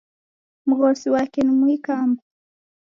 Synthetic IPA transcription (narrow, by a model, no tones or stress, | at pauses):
muɣɔsiwakenimuikamba